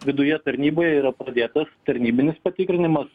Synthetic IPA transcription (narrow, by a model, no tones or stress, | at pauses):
ʋʲɪd̪ʊjɛt̪ɐɾʲnʲiːboːjɛiːɾɐpɾɐd̪ʲeːt̪ɐst̪ɐɾʲnʲiːbʲɪnʲɪspɐt̪ʲɪkɾʲɪnʲɪmɐs